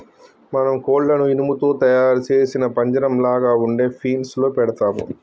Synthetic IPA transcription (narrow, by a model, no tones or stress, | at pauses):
mɐnɐmkoːɖlɐnuinumut̪o̞ːt̪ɐjaːɾut͡ʃe̞ːsinɐpɐɲd͡ʒɐɾɐmlaːɡaːuɳɖe̞ːpʰiːnsloːpɛɽɐt̪aːmṵ